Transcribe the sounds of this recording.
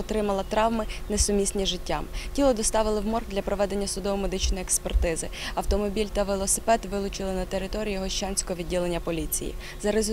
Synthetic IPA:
ɔt̪ɾɪmɐlˠɐt̪ɾɑwmɪnesʊmʲisʲnʲiʒɪtʲːamtʲilˠɔd̪ɔst̪ɑʋɪlˠɪwmɔrd̪lʲɐpɾɔʋɛd̪e̞nʲːɐsʊd̪ɔʋɔmed̪ɪt͡ʃnɔjiekspert̪ɪzɪɐwt̪ɔmɔbʲilʲt̪ɐʋelˠɔsɪ̥pɛt̪ʋɪlˠʊt͡ʃɪlˠɪnɐt̪eɾɪt̪ɔɾʲijiɦɔʃt͡ʃɑnʲsʲkɔɦɔʋʲidʲːilˠenʲːɐpɔlʲit͡sʲḭjḭ | zɐɾez

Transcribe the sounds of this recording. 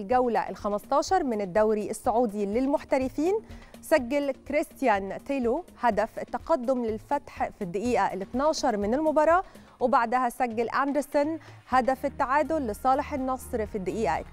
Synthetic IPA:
lɡæwlæʔɪ̰lxæmɑst̪ˤɑːʃɑɾˤmɪnɪd̪ːæwɾiʔɪsːʊʕuːd̪ilɪlmʊħt̪æɾɪfiːnsæɡːalkɾɪst̪jænt̪elohæd̪æfʔɪt̪ːɑqɑd̪ːomlɪlfæt̪ħfid̪ːɪʔiːʔæʔlɪt̪nɑːʃɑɾˤmɪnɪlmʊbɑɾˤɑːʔ | wɪbaʕd̪æhæsæɡːalʔænd̪ɪɾsonhæd̪æfet̪ːaʕaːd̪olːɪsˤɑːleħenːɑsˤɾfid̪ːɪʔiːʔæ̰

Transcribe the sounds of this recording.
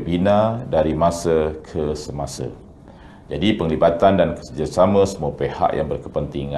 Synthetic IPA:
binãdaɾimãsəkʰəsəmasə̰ | d͡ʒadipəŋlibat̪andankə̥səd͡ʒasamə̃səmũapeha̰ʔja̰ŋbərkəpənt̪iŋã

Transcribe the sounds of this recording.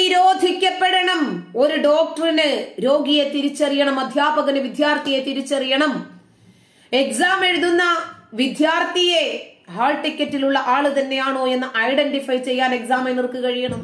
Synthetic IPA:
iɾo̞ːd̪ʱikʲːɐpːeɽɐɳɐmo̞ɾuɖo̞ːk̚ʈɐrinɨɾo̞ːɡijet̪iɾit͡ɕːɐrijɐɳɐmɐd̪ʱjaːbɐɣɐnɨʋid̪ʱjaːrt̪ijet̪iɾit͡ɕːɐrijɐɳɐm | e̞ksaːme̞ɻuðunːɐʋid̪ʱjaːrt̪ije̞haːlʈikʲːɐtːiluɭːɐʔaːɭɨt̪ɐnːe̞jaːɳoːe̞nːɨʔɐjɖenɖifɐjt͡ɕe̞jːaːne̞ksaːmenirkɨkɐɻijɐɳɐm

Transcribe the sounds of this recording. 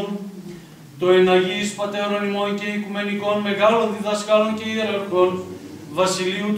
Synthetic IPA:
n | t̪oenɐʝispɐt̪eononimo̞nce̞ikume̞niko̞nme̞ɣɐlo̞nðiðɐskɐlo̞nceiɐɾɣɐkonvɐsiliut̪

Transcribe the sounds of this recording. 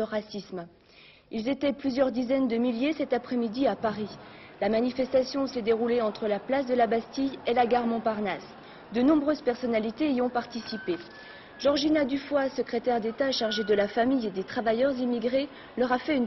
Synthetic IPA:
əʁasism | ilzet̪ɛplyzjœʁd̪izɛnd̪əmiljesɛt̪apχɛmid̪iapaʁilamanifɛst̪asjɔ̃sɛd̪eʁuleɑ̃t̪χəlaplas̬d̪əlabast̪ijelaɡaʁmɔ̃paʁnas | d̪ənɔ̃bʁøzpɛʁsɔnalit̪eiɔ̃paʁt̪isipe | ʒ̥ɔʁʒinad̪yfwasəkχet̪ɛʁd̪et̪aʃaʁʒed̪əlafamijed̪et̪χavajœʁzimiɡʁe | lœʁafɛyn

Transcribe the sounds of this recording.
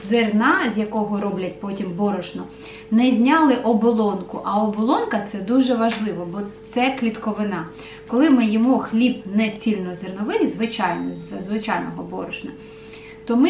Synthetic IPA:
zernɑzʲjɐkɔɦɔɾɔblʲɐtʲpɔtʲimbɔɾɔʃnɔ | nɛzʲnʲɑlˠɪʔɔbɔlˠɔnkʊʔɐɔbɔlˠɔnkɐt̪sɛd̪uʒɛʋɐʒlˠɪʋɔbɔt̪sɛklʲit̪kɔʋɪnɑ | kɔlˠɪmɪjɔmuxlʲibnɛt͡sʲilʲnɔzernɔʋɪlʲˠɪzʋɪt͡ʃɑjnɔzɐzʋɪt͡ʃɑjnɔɦɔbɔ̰ɾɔʃnɔ | t̪ɔmɪ

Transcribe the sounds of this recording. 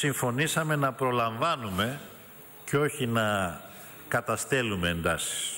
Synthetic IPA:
siɱfo̞nisɐme̞nɐpɾo̞lɐɱvɐnume̞ | ceo̞çinɐ | kɐt̪ɐst̪e̞lume̞ːnd̪ɐsi̥s

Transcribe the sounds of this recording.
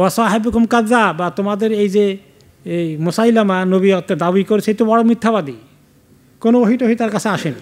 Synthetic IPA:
wasaɦibukumkazabat̪omad̪eɾejd͡ʑe | ejmosajlamanobiɔt̪ːed̪abikoɾet͡ɕʰeejt̪obɔɽomit̪ʰːabad̪i | konooɦiʈoɦit̪aɾkat͡ɕʰeaʃeni

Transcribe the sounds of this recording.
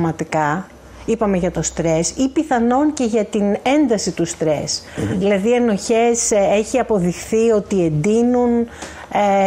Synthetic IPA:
mɐt̪ikɐ | ipɐme̞ʝɐt̪o̞st̪ɾe̞sipiθɐno̞nce̞ʝɐt̪ine̞nd̪ɐsit̪ust̪ɾe̞sðilɐðieno̞çe̞se̞çiɐpo̞ðixθio̞t̪ie̞nd̪inun | e

